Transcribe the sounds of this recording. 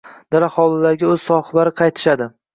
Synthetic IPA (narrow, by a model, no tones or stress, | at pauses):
d̪̥aɾahɒlˠɪlaɡʲɪɵz̥sɒχlaɾɪqʰɑjt̪ʰɪ̥ʃad̪ɪ